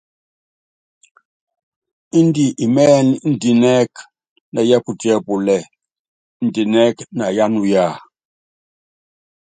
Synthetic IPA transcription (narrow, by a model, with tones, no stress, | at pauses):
i˦n˦di˨ʔi˨mɛː˦ni˨˦n̩˨di˨nɛ˦k | na˨jɛ˦pu˨ti˦ɛ˦pu˨lɛ˨ | n̩˨di˨nɛ˦kna˨ja˦nu˨ja˦˨